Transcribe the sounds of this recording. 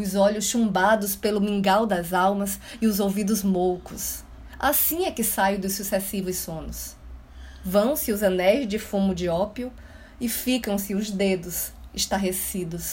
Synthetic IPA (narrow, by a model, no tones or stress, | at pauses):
ʊzɔʎʊsʃũmbad̪ʊspelʊmĩŋɡawd̪ɐzawmɐsɪʊzowvid̪ʊzmowkʊs | asĩɛkɪsajʊd̪ʊsusesivʊssõnʊs | vɐ̃w̃sɪʊzɐnɛjzd͡ʒɪfũmʊd͡ʒiɔpiʊ | ɪfikɐ̃w̃sɪʊzd̪ed̪ʊsɪʃt̪aɦesid̪ʊs